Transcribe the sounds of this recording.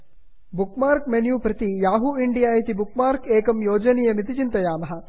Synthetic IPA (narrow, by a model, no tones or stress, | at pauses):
bukmaːɾkmenjuːpɾɐt̪ijaːɦuiɳɖijaːjit̪ibuk̚maːɾkeːkɐmjoːd͡ʒɐnijɐmit̪it͡ʃint̪ɐjaːmɐɦɐ̆